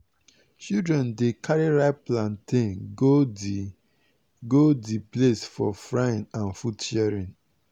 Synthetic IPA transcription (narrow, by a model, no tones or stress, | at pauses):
t͡ʃidɹɛ̃ndekʰaɹiɹaɪplãntʰẽno | ɡodiplesfɔ̰fɹaĩnãnfutːɛɹĩn